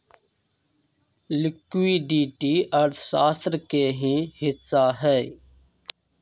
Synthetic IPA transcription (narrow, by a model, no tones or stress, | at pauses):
lɪkʋiːɖiːʈiːʔəɾt̪ʰsaːst̪ɾkeːɦĩːhɪsaːɦɛː